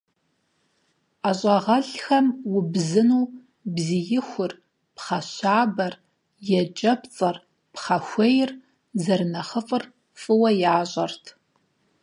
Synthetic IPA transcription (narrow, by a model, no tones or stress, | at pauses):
aɕʷʼɐʁɐɬxɐmwʊbzɨnuː | bzijɪxʷʊr | pχɐɕaːbɐr | jɛt͡ʃʼɐpt͡sʼɐr | pχɐxʷɐjɪr | zɐrnɐχəfʼɨr | fʼɨwɐjaːɕʼɐrtʰ